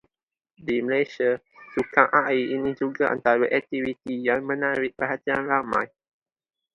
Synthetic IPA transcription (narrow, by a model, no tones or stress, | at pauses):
diməlejʃia | sukaŋʔaiʔinĩd͡ʒuɡaʔa̰nt̪aɾaʔɛk̚t̪ivit̪ijaŋmə̃naɾɪʔ̚pəɦat̪ianramã̰j